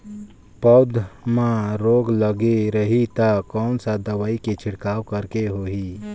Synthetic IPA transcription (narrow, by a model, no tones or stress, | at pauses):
pəd̪ʱmãɾoːɡləɡeɾəɦit̪akɔːnsad̪əʋaːiket͡ʃʰɪɽkaːwkəɾkeɦoːɦi